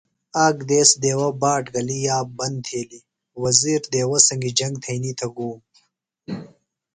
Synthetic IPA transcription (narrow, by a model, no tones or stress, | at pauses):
aːɡd̪eːsd̪eːwɐbaːʈɡɐlijaːbɐnd̪t̪ʰeːli | wɐziːɾd̪eːwɐsɐŋɡid͡ʒɐŋɡ̚t̪ʰɐjnit̪ʰɐɡuːm